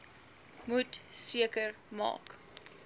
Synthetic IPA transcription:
mutsiəkər | mɑ̰ːk

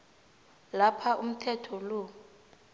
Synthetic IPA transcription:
lapʰaʔum̩tʰɛtʰɔlo

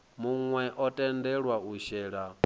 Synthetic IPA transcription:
muŋwɛʔɔtʼɛndɛɺwauʃɛːɺa

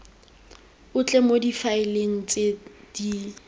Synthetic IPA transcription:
ʊt͡ɬʼɛmodifaɪleŋ̩t͡sʼed̥i

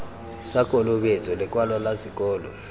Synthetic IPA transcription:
sakʼɔlɔɓet͡sʼɔlɛk̬ʼwalɔlasik̬ʼɔːlɔ̰

